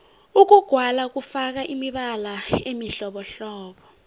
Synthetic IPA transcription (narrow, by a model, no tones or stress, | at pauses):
uk̬uɡ̥ʱwalak̬ufak̬aʔimiɓalaemiɬɔɓɔɬɔːɓɔ